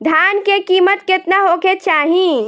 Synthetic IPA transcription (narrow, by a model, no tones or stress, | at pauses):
d̪ʱjankekiːmət̪ket̪naɦoket͡ʃaːɦĩ